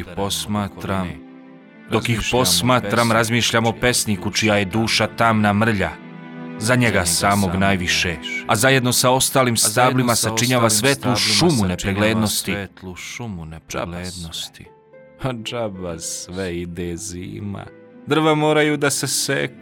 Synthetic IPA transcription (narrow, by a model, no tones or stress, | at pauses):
po̞smaːt̪ɾam | d̪o̞kixpo̞smaːt̪ɾamɾazmiːʃʎamope̞snikut͡ʃijaje̞d̪uːʃat̪amnamr̩ʎa̰ | zaɲe̞ɡasaːmo̞ɡnaːjʋiʃeazaje̞d̪no̞sao̞st̪aːliːmst̪aːblimasat͡ʃiɲaːʋasʋeːt̪luʃumune̞pɾeɡleːd̪no̞st̪ilumunp̪st̪i | ad͡ʒabasʋeid̪ezḭːma̰ | d̪r̩ʋamo̞ːɾajud̪asesḛk